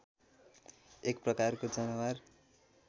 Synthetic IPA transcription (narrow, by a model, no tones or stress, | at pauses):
ekprʌkarkod͡zʌnʌwar